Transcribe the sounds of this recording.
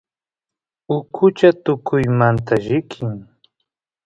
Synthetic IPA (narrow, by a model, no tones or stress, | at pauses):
ʊkʰʊt͡ʃat̪ʊkʰʊjmant̪aʒɪkʰɪŋ